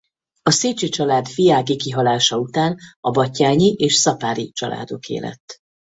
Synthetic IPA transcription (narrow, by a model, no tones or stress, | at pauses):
ɒseːt͡ʃit͡ʃɒlaːd̪fijaːɡikiɦɒlaːʃɒut̪aːnɒbɒcːaːɲiʔeːʃsɒpaːɾit͡ʃɒlʔa̰ːd̪o̞kḛːlɛ̰t̪ː